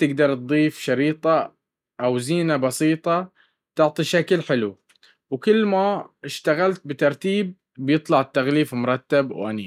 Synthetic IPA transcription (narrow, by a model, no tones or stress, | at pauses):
t̪ɪɡd̪ɑɾˤt̪d̪ˤiːfʃɑɾiːt̪ˤɑ | ʔawziːnabɑsiːt̪ˤɑ | t̪ɪʕt̪ˤiʃaklħɪlu | wkʊlːmaɪʃt̪aɣalt̪̚bɪt̪ɑɾˤt̪iːb̚ː | jɨt̪ˤlɑʕɪt̪ːaɣliːfmʊɾˤɑt̪ːabwʔaniː